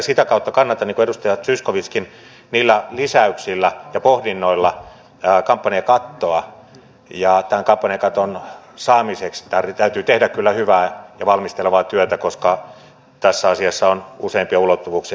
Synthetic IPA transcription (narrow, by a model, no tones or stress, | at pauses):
sit̪ækɑˑut̪ːɑkɑnːɑt̪ɑnniŋkueust̪ɑjɑt̪syskoʋiskin | niːlːælisæyksilːæjɑpohdinːoilːɑ | kɑmpːɑniekɑt̪ːoɑ | jɑt̪æŋkɑmpːɑnʲekɑt̪on | sɑːmisekst̪ært̪æyt̪yːt̪ehdækkylːæhyʋæːjɑʋɑlmist̪eleʋɑt̪yøt̪ækoskɑ | t̪æsːæɑsiɑsːɑonuseimpiɑulot̪ːuʋuːksi